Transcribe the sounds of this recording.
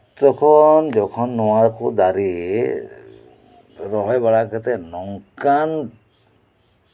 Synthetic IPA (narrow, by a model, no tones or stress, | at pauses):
t̪ɔkʰɔnd͡ʒɔkʰɔnːuwaɾkud̪aɾi | ɾɔɦɔjbaɭakɔt̪ɛnɔŋkan